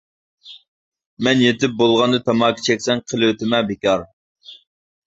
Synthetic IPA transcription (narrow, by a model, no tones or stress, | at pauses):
mɛnjet̪ɪp̚bolˠʁɑnd̪ɨt̪ʰɑmɑːkʲʰi̥t͡ʃʰɛkʲsɛnqʰəlˠɨwt̪ɪmɛbekʲɑɾ